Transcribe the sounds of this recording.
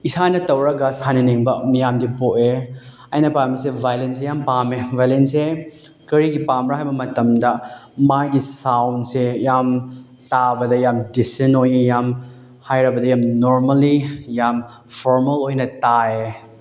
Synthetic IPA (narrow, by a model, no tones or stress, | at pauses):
isʰanɐtɐwɾɐɡɐsanɐneŋbɐmijamdipoʔe | ɐjnɐpamis̬ebʱajlens̬ejampamevʱajlense | kɐɾiɡipamɾaɦajbɐmɐtɐmdɐmajɡisawnsejam | tabɐdɐjamdisenojejam | hajɾɐbɐdɐjamnoɾmɐlijam | pʰoɾmɐlojnɐtae